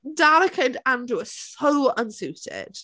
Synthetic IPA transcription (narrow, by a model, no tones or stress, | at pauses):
daləkʰədãnduəsowə̃nsʉːtʰɪ̰d̥